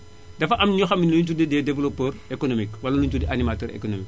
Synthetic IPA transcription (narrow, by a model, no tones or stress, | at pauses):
dɐfɐʔɐmɲɔxɐminlut̬udidɛdɛvlɔpɛːrekonomikwɐlɐluɲtudiʔanimatɛːɾḛkonomik